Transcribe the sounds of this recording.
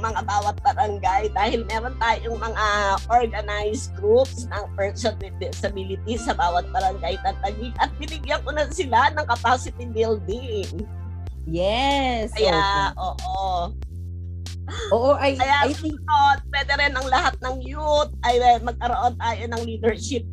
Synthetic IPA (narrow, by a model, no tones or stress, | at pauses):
mɐŋabaːwɐt̪̚bɐɾɐŋɡajd̪aːhɪlmɛːɾo̞nt̪aːjoŋmɐŋaʔoɹɡɐnajsɡɾup̚snɐŋpɛɹsɐn | d̪ɛsɐbiːlɪt̪isɐbaːwɐt̪̚bɐɾɐŋɡajt̪ɐnt̪ɐɡiɡʔɐt̪̚bɪnɪɡjɐŋkonɐsɪlanɐŋkɐpaːsɪt̪ibɪld̪ɪŋ | jɛskɐjaʔoːʔo | oːʔoʔɐjkɐjaʊot̪̚pwɛːd̪ɛɾɛnɐŋlɐhat̪̚nɐŋjut̪̚ɐjmɐɡ̚kɐɾoʔo̞nt̪aːjo̞nɐŋliːd̪ɛɹʃɪp̚